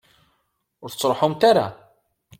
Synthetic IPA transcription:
ʊɾθət͡sːɾˤħumt̪aɾa̰

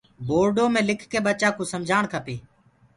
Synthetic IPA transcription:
boːɾɖoːmẽːlɪkʰkeːɓət͡ʃaːkõːsəmd͡ʒʱaːɳkʰəpeː

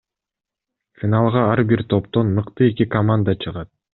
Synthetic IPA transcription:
fʲɪnalˠʁɑɑɾbiɾt̪ʰo̞pt̪o̞nːɯqt̪ɯe̞kikɐmand̪ət͡ʃʰɯʁɑt̪̚

